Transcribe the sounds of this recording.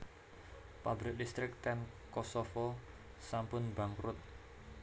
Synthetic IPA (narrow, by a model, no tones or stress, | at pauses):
pabɾɪk̚dist̪ɾɪk̚t̪ɛn | kɔsɔfɔ | sampʊnbaŋkɾʊt̪̚